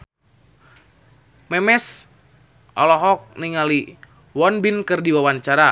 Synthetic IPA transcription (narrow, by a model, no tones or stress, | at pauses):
mɛmɛs | ʔɔ̰lɔɦɔk̚niŋali | wɔnbinkɨrdiwawant͡ʃaɾa